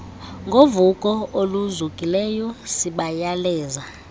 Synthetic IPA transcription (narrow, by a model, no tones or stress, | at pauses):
ŋɡʱovukʼɔoluzukʼilɛjɔsiɓajalɛːza